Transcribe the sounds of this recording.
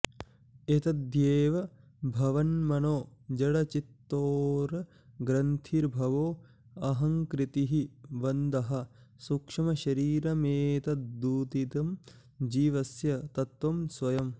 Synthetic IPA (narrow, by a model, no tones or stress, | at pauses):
et̪ɐd̪jeːʋɐ | bʱɐʋɐnmɐnoːd͡ʒɐɽɐt͡ʃit̪ːoːɾɐ | ɡɾɐnt̪ʰiːɾbʱɐʋoː | ɐɦɐŋkɾit̪iɦiʋɐnd̪ɐɦɐ | sukʂɐmɐʃɐɾiːɾɐmeːt̪ɐt̪d̪uːt̪it̪ɐm | d͡ʒiːʋɐsjɐt̪ɐt̪ʋɐmsʋɐjɐm